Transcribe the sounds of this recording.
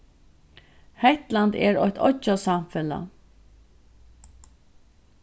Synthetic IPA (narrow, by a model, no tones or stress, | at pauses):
hɛht̪lant̪ɛ̰ɾɔ̰ht̪ʰɔ̰t͡ʃasamfɛla̰